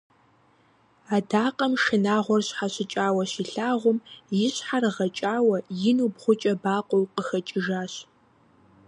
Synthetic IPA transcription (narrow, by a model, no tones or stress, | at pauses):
aːdaːqʼɐmʃɨnaːʁʷɔrɕħaɕɪt͡ʃʼaːwɐɕiːɬaːʁʷʊmjɪɕħarʁɐt͡ʃʼaːwɐjɪnuːbχʷʊt͡ʃʼɐbaːqʷʼɔwqəxɐt͡ʃʼɪʒaːɕ